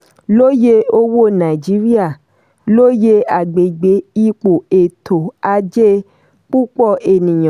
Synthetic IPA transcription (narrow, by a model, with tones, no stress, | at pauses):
lo˦je˦o˧wo˦nã˨i˨d͡ʒi˨˦ɾi˦a˦˨ | lo˦je˦a˨ɡ͡be˨ɡ͡be˨˦i˦˧k͡po˨e˨tʰo˨a˧d͡ʒe˦ | k͡pu˦k͡pɔ˦˨e˨nĩ˨j̃ã˨